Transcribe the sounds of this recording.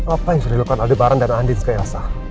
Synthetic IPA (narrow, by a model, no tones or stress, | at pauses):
apajaŋsudadilukanadibaɾandanandinskajasa